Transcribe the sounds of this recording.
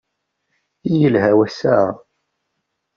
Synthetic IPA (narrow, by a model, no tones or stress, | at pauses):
ijəlhæwæsæ